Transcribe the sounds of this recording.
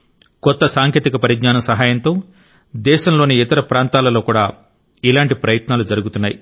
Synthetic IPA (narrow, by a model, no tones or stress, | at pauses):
kɔt̪ːɐsaːŋkeːt̪ikɐpɐɾiɡɲaːnɐsɐɦaːjɐnt̪o̞ː | d̪ɛːʃɐmlo̞ːniːt̪ɐɾɐpɾaːnt̪aːlɐlo̞ːkuːɽaː | ilaːɳʈipɾɐjɐt̪naːlud͡ʒɐɾuɡut̪unːaːji